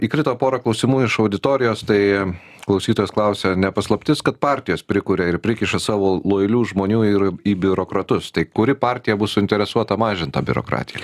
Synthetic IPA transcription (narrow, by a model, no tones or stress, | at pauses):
iːkɾʲɪt̪oːpoːɾɐklˠɐʊsʲimuːɪʃɐʊd̪ʲɪt̪oːɾʲɪjoːst̪ɐɪ | klˠɐʊsʲiːt̪oːjoːsklˠɐʊsʲɛnʲɛpɐslˠɐpʲt̪ʲɪskɐt̪̚pɑɾʲt̪ʲɪjoːspʲɾʲɪkuːɾʲɛɪɾpʲɾʲɪkʲɪʃɐsɑːʋoːlˠoːjɪlʲuːʒmoːnʲuːɪriːbʲʊɾoːkɾɐt̪ʊst̪ɐɪkʊɾʲɪpɑːɾʲt̪ʲɪjɛbʊssʊɪnʲt̪ʲɛɾʲɛsuɔt̪ɐmɑːʒʲɪnt̪ɐbʲʊ̰ɾo̰ːkɾɑ̰ːt̪ʲɪjɛ̰